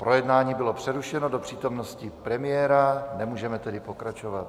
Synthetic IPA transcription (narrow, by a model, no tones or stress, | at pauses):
pɾo̞jɛdnaːɲiːbɪlopr̥ɛɾuʃɛnodopr̝̥iːt̪o̞mnoscɪpɾɛmɪjɛːɾanɛmuːʒɛmɛt̪ɛdɪpo̞kɾat͡ʃovat̪